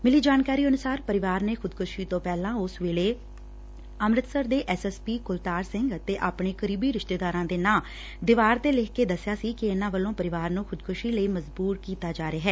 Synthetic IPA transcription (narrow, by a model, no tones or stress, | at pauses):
mɪliːd͡ʒaːnkaːɾiːənʊsaːɾpəɾɪʋaːɾneːxʰʊd̪kʰʊʃiːt̪õːpɛːlãːʊsʋeːleː | əmɾət̪səɾd̪eːʔɛːsɛːspiːkʊlt̪aːɾsɪŋɡt̪eːʔaːpɳeːkəɾiːbiːɾɪʃt̪eːd̪aːɾãːd̪eːnãː | d̪ɪʋaːɾt̪eːlɪkkeːd̪əsːɪjaːsiːkɪenãːʋəlõːpəɾɪʋaːɾnũːxʰʊd̪kʰʊʃiːləiːməzbuːɾkiːt̪aːd͡ʒaːɾeaːɦɛː